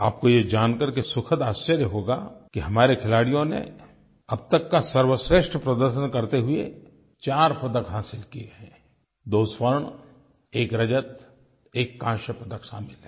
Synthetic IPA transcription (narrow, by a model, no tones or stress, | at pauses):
a̰ːp̚kojed͡ʒaːnkɐɾkesʊkʰəd̪aːst͡ʃəɾjəɦoːɡakiɦɐmaːɾekʰɪlaːɽijõnḛ | ɐb̚t̪əkːasɐɾwəsɾeːʃʈʰəpɾɐd̪əɾʃənkɐɾt̪eɦʊe | t͡ʃaːɾpɐd̪əkɦaːsɪlkieẽ | d̪oːspəɾɳ | eːkɾɐd͡ʒət̪ | eːkːãːʃəpɐd̪əkʃaːmɪlɦɛː